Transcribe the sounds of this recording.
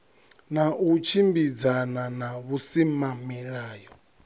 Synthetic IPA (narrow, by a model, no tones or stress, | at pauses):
naʔut͡ʃʰimbid͡zananaβusimamiɺaːjɔ